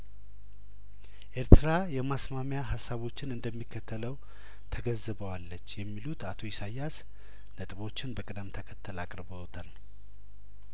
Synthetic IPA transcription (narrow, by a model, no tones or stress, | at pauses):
ʔe̞ɾt̪ʰɨɾajɛmasmamjaɦasːaβo̞t͡ʃːɪnɨnd̪əmːikːət̪ʰːələw | t̪ʰəɡəzːɨβəwalːət͡ʃːjɛmːilut̪ʰat̪ʰo̞jɪsajːas | nət̪ʼβo̞t͡ʃːɪnbəkʼɨd̪əmt̪ʰəkʰət̪ʰːəlakʼɾbət̪ʰal